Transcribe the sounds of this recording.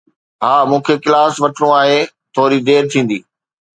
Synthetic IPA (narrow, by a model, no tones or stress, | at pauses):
ɦaːmũːkʰekɪlaːsʋɐʈʰɽõaːɦe | t̪ʰoːɾid̪eːɾt̪ʰĩːn̆d̪iː